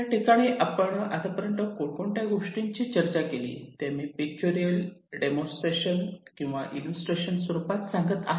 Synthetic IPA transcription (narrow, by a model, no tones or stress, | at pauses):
aʈikaɽ̃iʔapəɳat̪apəɾənt̪əkokoɳʈjaɡʱoʂʈiɲt͡ɕiːt͡ɕəɾt͡ɕakelḭːt̪jamiːpik̚t͡ɕoɾijəlɖemõnsʈɾeɕənkĩw̃ʋa̰ʔilusʈɾeɕənsʋəɾupat̪saŋɡət̪aɦ